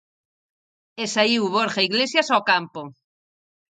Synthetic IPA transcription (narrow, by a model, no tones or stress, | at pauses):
esaiwβoɾχaiɣlesjasokampo